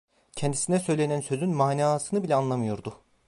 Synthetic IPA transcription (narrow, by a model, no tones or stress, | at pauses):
cʰɛnd̪isinɛsø̞jlʲenænsø̞zynmaːnaːsɯnɯbilʲɛanlˠamɯjoɾd̪ʊ